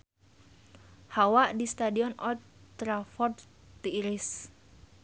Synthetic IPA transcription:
hawaʔdist̪adiɔnɔt̪t̪ɾafɔd̪ | t̪iːɾis

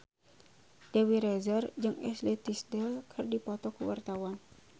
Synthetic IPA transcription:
d̥ɛwiɾɛzərd͡ʒɨŋɛslɛt̪isdakʰɨrdipɔt̪ɔkuwa̰rt̪awan

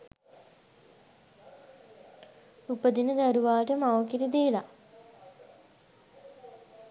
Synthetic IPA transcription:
upəd̪inəd̪æɾuʋaːʈəmaʋəkiɾid̪eːla

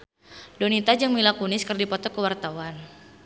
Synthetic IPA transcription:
donit̪ad͡ʒəŋmilakunɪskərdipɔt̪ɔkəwart̪awan

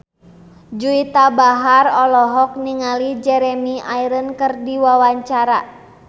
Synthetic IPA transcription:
d͡ʒuit̪abaɦarɔlɔɦɔk̚niŋalid͡ʒɛɾɛmiaiɾənkərdiwawaɲt͡ʃaɾa

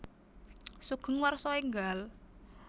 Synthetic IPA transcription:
suɡ̥ə̤ŋwarsɔeŋɡal

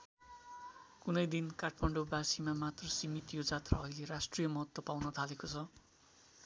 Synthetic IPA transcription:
kunʌjd̪inkaʈʰmʌɳɖobasimamat̪rʌsimit̪jod͡zat̪rʌʌjlerasʈrijʌmʌɦʌt̪wʌpawnʌt̪ʰalekot͡sʰʌ

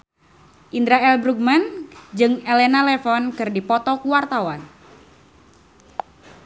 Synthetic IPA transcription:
ʔindɾaɛlbɾuɡ̚mand͡ʒɨŋelenalɛfɔnkɨrdipɔt̪ɔkuwart̪awan

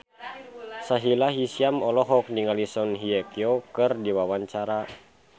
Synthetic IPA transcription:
saɦilaɦisiamɔlɔɦɔk̚niŋalisɔnɦiɛkjɔkɨrdiwawaɲt͡ʃaɾa

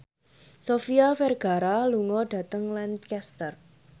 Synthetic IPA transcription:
sofiafɛrɡ̥a̤ɾaluŋɔɖ̥a̤t̪əŋlankɛst̪ər

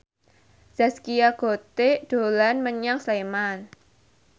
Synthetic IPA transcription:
z̥askijaɡ̥ot̪ed̥olanməɲaŋsleman

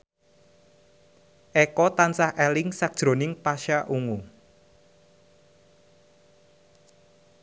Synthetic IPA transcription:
ʔɛkɔt̪ansahʔɛlɪŋsak̚d̥ʒ̥ɾo̤nɪŋpaʃaʔuŋu

